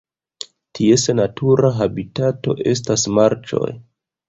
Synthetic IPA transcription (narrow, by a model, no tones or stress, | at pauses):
tʰie̞senatʰuɾaɦabitato̞̰ʔe̞s̬tasmaɾt͡ʃo̞̰j